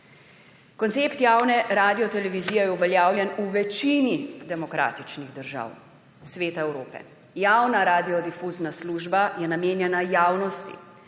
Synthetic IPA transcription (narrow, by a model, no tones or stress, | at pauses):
kɔnt̪seːpt̪jaːwnɛɾaːd̪ijɔt̪ɛlɛʋiziːjɛjɛuʋɛljaːwljɛnuʋɛt͡ʃinid̪ɛmɔkɾa̰ːt̪it͡ʃniɣd̪əɾʒa̰ːw | sʋeːt̪aɛwɾoːpɛ̰ | jaːwnaɾaːd̪iɔd̪ifuːznasluːʒbajɛnameːnjɛnajaːwnɔst̪ḭ